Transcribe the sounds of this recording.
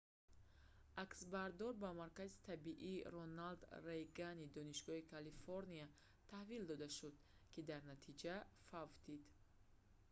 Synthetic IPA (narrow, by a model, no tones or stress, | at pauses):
aksbaɾd̪ɔɾbamaɾkazit̪ʰabiʔiːɾɔnald̪rejɡanid̪ɔniʃɡɔhikʰalifoɾnia | t̪ʰahvild̪ɔd̪aʃud̪ | kid̪aɾnat̪ʰid͡ʒafavd̪id̪